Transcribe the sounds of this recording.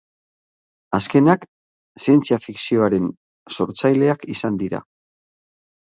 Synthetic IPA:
aske̞nak | sient͡siafiksio̞aɾe̞n | so̞ɾt͡sajle̞akisand̪iɾa̰

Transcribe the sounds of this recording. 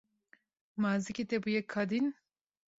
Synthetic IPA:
maːzikʲet̪ɛbujɛkʰad̪in

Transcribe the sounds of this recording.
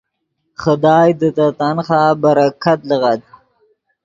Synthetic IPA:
χəd̪ɑːjd̪ət̪at̪anxaːbaɾakat̪ləɣad̪̚

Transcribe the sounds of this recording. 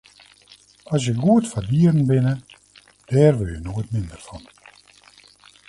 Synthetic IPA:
ɔs̬jəɡuətfardiəɾn̩bɪnə | d̥ɛːrʋɪlˠjənoətmɪndərfɔn

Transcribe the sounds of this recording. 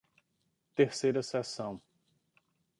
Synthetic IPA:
t̪eɾsejɾɐsɛsɐ̃w̃

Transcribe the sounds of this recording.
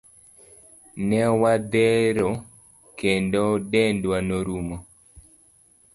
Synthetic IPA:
nɛwad̪ɛɾo | kendodɛndwanoɾumo

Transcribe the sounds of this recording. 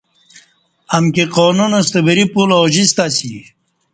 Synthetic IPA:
ɐmkeqoːnunɐst̪əbəɾipuloʑist̪asi

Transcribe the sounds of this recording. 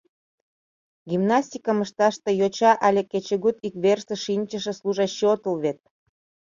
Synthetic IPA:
ɡʲimnɑsʲt̪ʲikəməʃt̪ɑʃt̪ejot͡ɕɑʔɑlʲeket͡ɕeɣut̪ikβerseʃinʲt͡ɕəʃĕsluʒɑɕot̪əlβet̪̚

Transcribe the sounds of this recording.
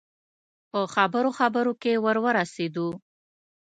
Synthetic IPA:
pəxabəɾoxabəɾokewəɾwəɾased̪u

